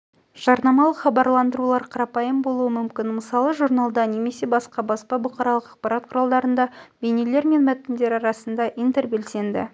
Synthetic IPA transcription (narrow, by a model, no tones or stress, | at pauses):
ʒ̥ɑɾnɑmɑlˠəχɑbɑɾlˠɑnd̪əɾulˠɑɾqʰɑɾɑpɑjəmbo̞lˠuəmʏmkʲɪnməsɑlˠəʒuɾnɑlˠd̪ɑne̞me̞se̞bɑsqɑbɑspɑbʊqɑɾɑlˠəqɑq̚pɑɾɑt̪̚qʰʊɾɑlˠd̪ɑɾənd̪ɑbejnele̞ɾme̞nmæt̪ɪnd̪e̞ɾɑɾɑsənd̪ɑʔijnt̪erbe̞lse̞nd̪ɪ̰